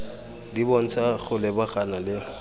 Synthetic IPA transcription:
dibɔn̩t͡sʼaɣʰʊlɛbaɣanalɪ

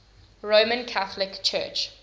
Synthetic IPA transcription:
ɹoːmə̃nkʰaθəlɪkt͡ʃʰɜ̰t͡ʃ

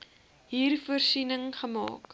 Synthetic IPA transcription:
ɦiːrfuərsinəŋχəmɑ̰ːk

